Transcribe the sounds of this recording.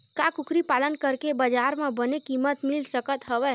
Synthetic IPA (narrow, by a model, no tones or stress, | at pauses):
kakukʰɾipalənkəɾkebəd͡ʒaɾmẽbənekimət̪milsəkət̪ɦəʋɛ